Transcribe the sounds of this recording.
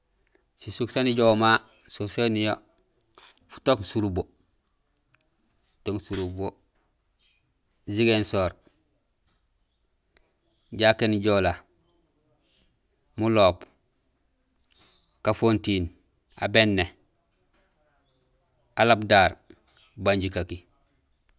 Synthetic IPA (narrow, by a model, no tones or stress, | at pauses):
sisuksaniɟowma | sosenijo | fu̥toksuɾubo | toŋsuɾubo | ziɡensoːɾ | ɟaːkenɟoːla | muloːp | kafontin | a̰benːe | alabdaɾ | baɲɟikaki